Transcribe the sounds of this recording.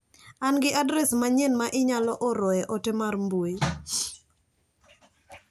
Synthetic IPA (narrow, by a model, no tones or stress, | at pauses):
anɡɪʔadɾɛsmaɲenmaʔɪɲalɔʔɔɾɔɛʔɔtɪmarmbuoi